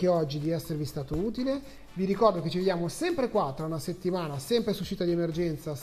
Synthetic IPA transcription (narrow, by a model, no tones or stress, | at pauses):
keɔd͡ʒːid̪iɛsːeɾevist̪aːt̪ouːt̪ile | viɾikɔrd̪oket͡ʃːived̪jaːmosɛmpɾekwat̪ːɾaunaset̪ːimaːnasɛmpɾesuʃːiːt̪ad̪iemerd͡ʒɛnt̪sa